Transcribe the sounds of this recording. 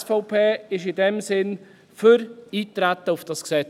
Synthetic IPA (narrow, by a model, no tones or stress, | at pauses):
sfɔʊpʰeːɪʃɪdɛmsɪn | føɾiːtɾæt̪ːəʊfd̥ɑsksɛ